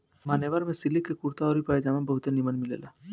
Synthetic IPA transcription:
maːneʋaɾmẽsɪlikːekuɾt̪aɔːɾipaːed͡ʒaːmãbɐɦʊt̪enimənmɪlḛːlaː

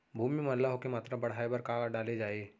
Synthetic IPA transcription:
bʱuːmimɐnlaɦokemaːt̪ɾabɐɽ̤aːebɐɾkaːɖaːled͡ʒaːeː

